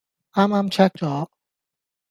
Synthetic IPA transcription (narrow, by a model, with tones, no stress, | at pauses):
ʔaː˦˥mʔaː˦˥mt͡ɕʰɛ˥k̚t͡ɕɔː˨˩